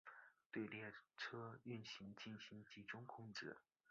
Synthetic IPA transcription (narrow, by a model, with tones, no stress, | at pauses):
t̪we˥˧ɪljɛ˥˩ʈ͡ʂʰɤ˥y˥˩nɕi˧˥ŋt͡ɕi˥˩nɕi˧˥ŋt͡ɕi˧˥ʈ͡ʂʊ˥ŋkʰʊ˥ŋʈ͡ʂɻ̩˥˩